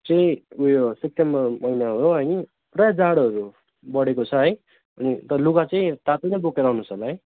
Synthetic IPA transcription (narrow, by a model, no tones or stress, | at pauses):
t͡sʌĩujosek̚ʈembʌrmʌjnaɦooɦʌj | prʌjad͡zaɽʌɾu | bʌɽekot͡sʰʌɦʌj | ʌnit̪ʌlukat͡sʌĩt̪at̪onʌ̃bokeɾawnusʌlaɦʌj